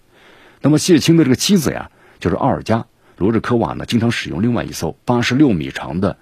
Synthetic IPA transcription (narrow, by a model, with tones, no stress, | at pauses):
na˥˩mə˩ɕjɛ˥˩t͡ɕʰi˥ŋd̪ə˧ʈ͡ʂɤ˥˩ɡə˩t͡ɕʰi˥d͡zɹ̩̰˨˩ja̰˩ | t͡ɕjo˥˧ʊʂɻ̩˥˧ʔa̰˥˩ə˞˨˩t͡ɕja˥ | lwɔ˧˥ʈ͡ʂɻ̩˥˩kʰɤ˥wa̰˨˩nə̰˦t͡ɕi˥ŋʈ͡ʂʰɑ˧˥ŋʂɻ̩˨˩jʊ̰˥˧ŋli˥˧ŋwa˥˧ɪḭ˧˥˩so˥˩ʊpa˥ʂɻ̩˧˥ljo˥˩ʊmḭ˨˩ʈ͡ʂʰɑ̰˧˥ŋd̪ə˧